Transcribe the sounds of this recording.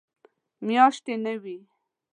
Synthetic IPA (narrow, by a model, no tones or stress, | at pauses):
mjɑʃt̪enawi